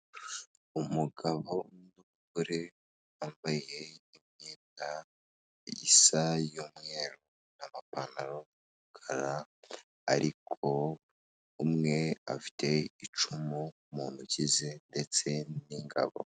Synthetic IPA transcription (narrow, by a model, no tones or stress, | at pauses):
umuɡaβo̞nuβukuɾe̞ | aːmbaje̞imɲeːnda | ḭsajumŋeːɾu | namapanaɾo | muɡʰaɾa | a̰ɾʔikʰo̞ | umŋe̞a̰fi̥tʰe̞it͡ʃumu | muːnhucize̞nde̞t͡se̞niŋɡa̰βo̞̰